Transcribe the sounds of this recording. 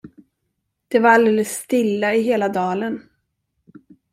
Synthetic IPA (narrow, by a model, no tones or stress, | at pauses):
d̪̥ɛvaɾald̪eːləsːt̪ɪlːaɪɦeːlad̪ɑːlən